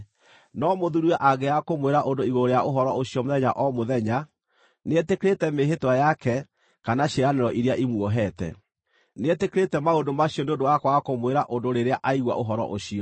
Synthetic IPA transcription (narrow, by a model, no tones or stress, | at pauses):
nɔmoðuɾuɛʔaɡɛakomweɾaʔondoiɣoɾoɾejaʔoɦɔɾɔʔoɕjɔmoðɛɲaʔɔmoðɛɲa | netekeɾetɛmeɦetwajakɛ | kanaɕeɾaneɾɔʔiɾeaʔimwɔɦɛtɛ̰ | netekeɾetɛmaondomaɕijɔneondowakwakomweɾaʔondoɾeɾeaʔaiɣwa̰ʔoɦɔɾɔ̰ʔoɕiɔ